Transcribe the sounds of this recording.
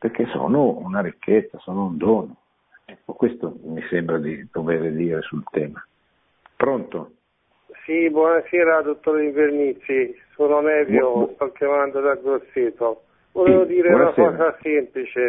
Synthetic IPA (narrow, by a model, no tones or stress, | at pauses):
perk̟eso̰ːnounaɾikʰːet̪sːasoːnound̪ɔːno | ɛkːokwest̪omisembɾad̪id̪̥oveːɾed̪iːɾesult̪ɛːma | pɾont̪o | sibwɔnasɛːɾad̪ot̪ːoɾiɱveɾnit̪sisunonɛvjotalkemand̪od̪aɡɾosːiːt̪o | voleːvod̪iːɾenaseɔːazasɛmplit͡ʃe